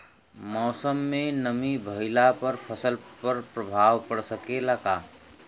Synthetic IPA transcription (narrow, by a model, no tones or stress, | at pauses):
mɔːsəmːenəmibʱəɪlapəɾpʰəsəlpəɾpɾəbʱawpəɽsəkelaka